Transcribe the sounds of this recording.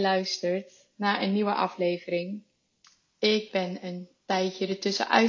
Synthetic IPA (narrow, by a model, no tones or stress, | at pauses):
lœɥstəɹt | naːʔənːiʋəʔɑflejvəɾɪŋ | ɪɡ̚bɛnəntɛjtjədətɵsə̰ʔœ̰ɥ